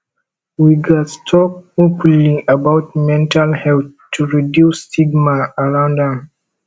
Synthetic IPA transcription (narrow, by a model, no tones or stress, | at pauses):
wiɡastʰɔk̚opniʔəbawt̚mɛ̃ntʰalhɛlθtʰːuɹidjustiɡmaaɹãndɔ̃m